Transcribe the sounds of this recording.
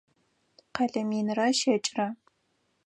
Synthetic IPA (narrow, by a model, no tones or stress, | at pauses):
qɐɮɐmiːnɨrɐʃɐt͡ʃʼrɐ